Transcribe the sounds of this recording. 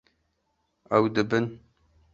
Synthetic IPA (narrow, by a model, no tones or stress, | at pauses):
ɛwd̪ɨbɨn